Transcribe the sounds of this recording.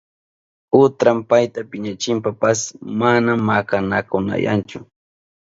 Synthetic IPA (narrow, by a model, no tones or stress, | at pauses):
ʊt̪ɾampajt̪apɪɲat͡ʃɪmpapasmanamːakanakʊna̰ja̰nt͡ʃʊ